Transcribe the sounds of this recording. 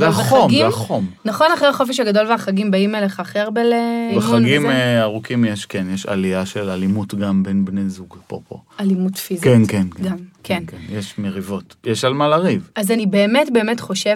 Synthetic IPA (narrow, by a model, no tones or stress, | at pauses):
veaomɡiaχomnaχo̞naχʁeaχo̞feʃhaɡado̞lveaχaɡimbaimeleχaːχʁeaʁbelebemχaɡimaʁukimjeʃkenjɛʃa̰liaʃelalimutɡambenbnezuɡpo̰po̰alimutfizkienkenkɡamkʰennjeʃmeʁivo̞tjɛʃalmalaʁivazanibe̞ːmetbe̞emetχo̞ʃev